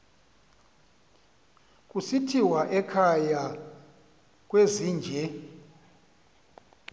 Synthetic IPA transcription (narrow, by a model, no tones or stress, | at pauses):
k̬ʼusitʰiwaʔɛkʰaja | k̬ʼweziːnd͡ʒʱɛ